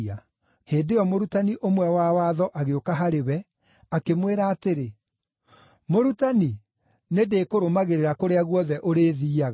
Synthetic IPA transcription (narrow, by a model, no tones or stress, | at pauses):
a | heːdeɔmoɾutaniʔomwɛwawaðɔʔaɣeokaɦaɾewɛ | akemweɾaːteɾe | moɾutani | nedeːkoɾomaɣeɾeɾakoɾeaɣwɔðɛʔoɾeːðiːaɣa